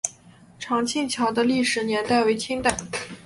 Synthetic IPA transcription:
ʈ͡ʂʰɑ˧˥ŋt͡ɕʰi˥˩ŋt͡ɕʰjɑ˧˥ʊd̪ə˧li˥˩ʂɻ̩˧˩njɛ˧˥nt̪a˥˩ɪwe˧˥ɪt͡ɕ̪ʰi˥ŋt̪a˥˩ɪ

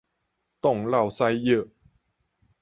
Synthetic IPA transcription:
t̪ɔ˥˧˩ŋla˥˩wsa˧jjə˥˧˩

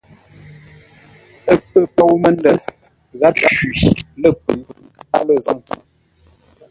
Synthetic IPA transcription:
ə˦pə˦˨po˦wmə˦n˦də˨ | ɣa˦t̚ɣa˦i˨lə˦pə˨l | a̰˦lə˦˨zə˦ŋ˨

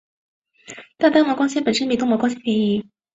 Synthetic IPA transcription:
t̪a˥˩t̪a˥mɔ˧˥kwɑ˥ŋɕ̬ɛ˥npə˨˩nʂə˥npi˧˥˩t̪ʊ˥mwɔ˧˥kɑ˥ŋɕ̬ɛ˥nt͡ɕʰjɛ˧˥ni˧˥

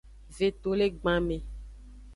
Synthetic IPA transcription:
ve˨t̪o˨le˦ɡ͡bã˨mẽ˨

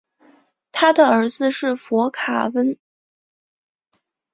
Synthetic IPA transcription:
t̪ʰa˥d̪ə˨ə˞˧˥d͡zɹ̩˧ʂɻ̩˥˩fwɔ˧˥kʰa̰˨˩wə˥n

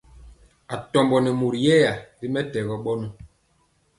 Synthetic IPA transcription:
a˨tɔ˨mbɔ˨nɛ˨mu˨ɾi˨jɛ˦ja˨ɾi˦mɛ˦tɛ˨ɣɔ˨ɓɔ˦nu˦

